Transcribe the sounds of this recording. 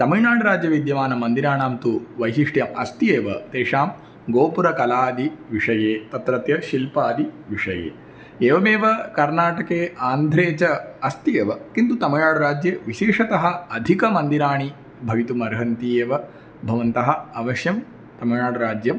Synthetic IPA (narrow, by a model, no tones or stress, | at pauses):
t̪ɐmɐjɳaːɽɐɾaːd͡ʒjɐʋid̪jɐmaːnɐmːɐnd̪iɾaːɳaːmt̪uʋɐjsiʂʈjɐmɐst̪ieːʋɐ̰t̪eːʂaːm | ɡoːpuɾɐkɐlaːd̪iʋiʂɐjeːt̪ɐt̪ɾɐt̪jɐʃilpaːd̪iʋiʂɐjḛː | eːʋɐmeːʋɐkɐɾnaːʈɐkeːʔaːnd̪ʱɾeːt͡ʃɐɐst̪ieːʋɐkint̪ut̪ɐmɐaːɽɐɾaːd͡ʒjɐʋiʃeːʂɐt̪ɐɦɐ̆ɐd̪ʱikɐmɐnd̪iɾaːɳi | bʱɐʋit̪umɐɾɐɦɐnt̪ijeːʋɐ | bʱɐʋɐnt̪ɐɦɐɐʋɐʃjɐm | t̪ɐmɐɻɳaːɽɐɾaːd͡ʒjɐm